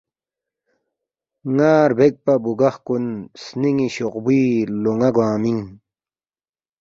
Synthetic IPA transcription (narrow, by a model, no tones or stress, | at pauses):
ŋaːɾbek̚pɐbuɡɐxkunsniŋiɕoqbiːloŋɐɡwaːmiŋ